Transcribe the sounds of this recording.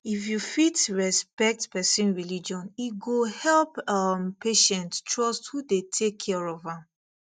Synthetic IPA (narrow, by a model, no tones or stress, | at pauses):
ifjufitɹɛspɛk̚tpɛsĩnɹilid͡ʒɔ̃niɡohɛlpampeʃɛ̃ntstɹɔsthudetʰekʰːɛɹɔvãm